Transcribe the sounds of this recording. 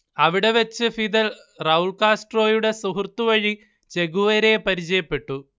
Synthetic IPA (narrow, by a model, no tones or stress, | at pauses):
ɐʋiɽe̞ʋɐt͡ɕːɨfid̪ɐl | rɐuɭkaːsʈro̞ːjuɽe̞suɦurt̪ːuʋɐɻi | t͡ɕe̞ɣuʋɐɾepɐɾit͡ɕɐjɐpːe̞ʈːu